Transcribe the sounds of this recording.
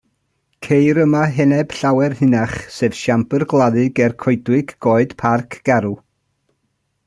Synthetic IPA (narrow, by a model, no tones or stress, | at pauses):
kʰejɾəmaɦɛnɛb̥ɬawɛrhɨnaχseːv̥ʃampərɡlˠaðɨɡɛrkʰojdwɪɡɡɔːɨd̥pʰarkʰɡ̥ɛɾu